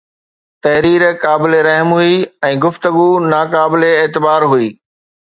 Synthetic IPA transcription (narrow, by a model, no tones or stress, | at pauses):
t̪ɐɦɾiːɾkaːbɪleɾɐɦmɦuiɛ̃ːɡʊft̪əɡunaːkaːbɪleːt̪ɪbaːɾɦuiː